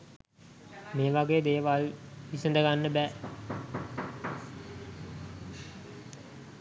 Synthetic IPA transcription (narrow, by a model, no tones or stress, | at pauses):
meːʋaɡeːd̪eːʋalʋisənd̪əɡanːəbɛː